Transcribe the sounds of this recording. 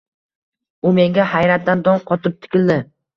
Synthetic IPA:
ʊme̞ŋɡʲahajɾat̪̚d̪and̪ɒŋqʰɒt̪ʰɪp̚t̪ʰɪ̥kʲɪld̪ɪ

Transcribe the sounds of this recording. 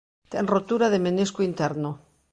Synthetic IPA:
t̪enrot̪uɾaðemeneskuint̪eɾno

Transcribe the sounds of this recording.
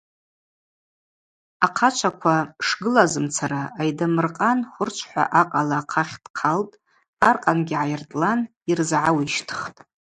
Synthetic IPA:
aqʰat͡ʃʷʰakʷʰaʂɡɨlazɨmt͡sʰaraːjdamɨrqʼanχʷʊrt͡ʃʷʰħʷa̰ʔaqʼalaːqʰaχʲd̥qʰaltʼ | arqʼanɡʲiʕajɪrtʼlan | irzʕawiʃtʰɨ̥χtʼ

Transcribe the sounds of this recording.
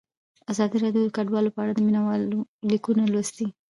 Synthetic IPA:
azɑd̪iɾɑɖjod̪əkaɖwɑlopəaɽad̪əminawɑlolikunalost̪i

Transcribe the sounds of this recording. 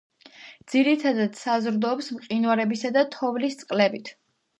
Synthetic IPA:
d̪z̥iɾit̪ʰad̪ad̪̥sazɾd̪ɔːpsmqʼinwaɾɛbisad̪at̪ʰɔvlist̪sʼqʼlɛbit̪ʰ

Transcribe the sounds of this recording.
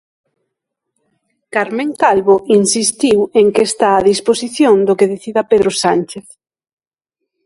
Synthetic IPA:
kaɾmẽŋkalβoʔinsist̪iweŋkest̪aːðisposiθjond̪okeðeθiðapeðɾosant͡ʃeθ

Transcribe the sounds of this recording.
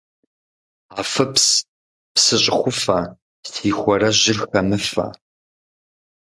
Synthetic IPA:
aːfɐps | psɨɕʼɪxʷʊfɐ | tʰiːxʷɔɾɐʑɪrxɐmɨfɐ̰

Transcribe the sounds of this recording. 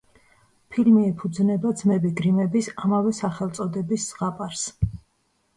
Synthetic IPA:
pʰilmiɛpʰud̪znɛbad̪zmɛbiɡɾimɛbisamavɛsaχɛlˠt̪sʼɔd̪ɛbisːʁapʼaɾs

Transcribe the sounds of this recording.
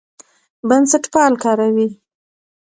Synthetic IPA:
bansaʈpɑlkɑɾawi

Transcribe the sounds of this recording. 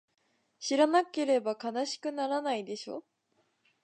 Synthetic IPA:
ɕiɾanake̞ɾe̞bakanaɕi̥kɯ̟naɾanaid̪e̞ɕo̞̰ː

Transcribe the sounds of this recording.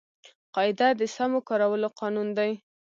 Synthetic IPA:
qɑɪd̪ad̪əsamokɑɾawəloqɑnund̪aj

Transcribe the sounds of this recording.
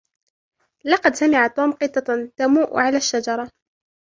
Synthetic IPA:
lɑqɑd̪samɪʕat̪ːuːmqɨt̪ɑt̪amuːʔʕalaːʃːad͡ʒɑɾˤɑ

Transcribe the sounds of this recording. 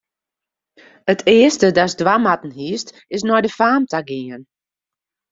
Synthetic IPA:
ətʰɪəstədasdwamatn̩hist | ɪs̬nɔjdəfaːmtaɡiən

